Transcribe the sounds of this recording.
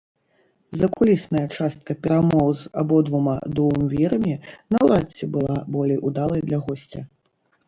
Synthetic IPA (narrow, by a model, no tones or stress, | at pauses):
zɐkulʲisnɐjɐt͡ʂast̪̚kɐpʲɛɾamɔwza̰bɔd̪vuma̰d̪uvɨmvʲiɾɐmʲɛnɐwɾat͡sʲːɛbɨlˠabɔlʲɛjʔud̪alˠɐjd̪lʲɐɣɔsʲt͡sʲɐ